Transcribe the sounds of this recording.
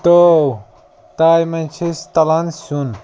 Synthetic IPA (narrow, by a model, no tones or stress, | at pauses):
t̪ow | t̪ajmɐ̃nt͡ʃʰist̪ɐlɐnsun